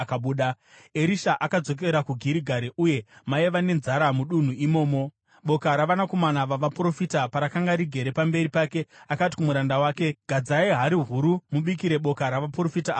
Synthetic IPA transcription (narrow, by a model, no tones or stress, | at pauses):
kaɓuːɗa | eɾiʃaʔakad͡zo̞k̬e̞ɾakuɡʱiɾiɡʱaɾeʔuje̞maeʋane̞nzaɾamuɗun̤uimo̞ːmo̞ | ɓo̞kaɾaʋanako̞manaʋaʋapro̞fitapaɾakaŋɡaɾiɡʱe̞ɾe̞pambe̞ɾipaːke̞akati̥kumuɾandawaːke̞ɡ̥ʱad͡zaiɦaɾiɦuɾumuɓikiɾe̞ɓo̞kaɾaʋapro̞fita